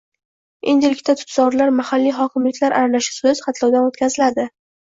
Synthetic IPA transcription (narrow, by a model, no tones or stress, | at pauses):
ḛnd̪ɪlɪkʲt̪ʰat̪ʰʊ̥t̪zɒɾlaɾmahalːijɦɒkʲʰɪmlɪkʲlaɾʔaɾalaʃɪ̥soz̥χɑt̪ʰlɒwd̪anot̪kʲʰazɪlad̪ɪ